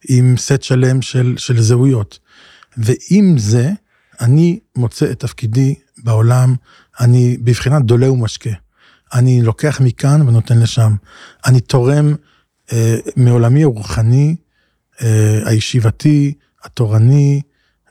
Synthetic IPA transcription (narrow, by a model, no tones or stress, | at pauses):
ʔimsetʃale̞mʃelʃe̞lzeujo̞t | veʔimze̞ | animo̞t͡seet̪ːafkidi | bao̞lam | anibivχinad̪o̞leumaʃke | anilo̞ke̞aχmikanveno̞te̞nleʃam | ʔanit̪ʰo̞ʁe̞m | eːeo̞lamiaʁuχani | ea̰jeʃivati | ato̞ʁani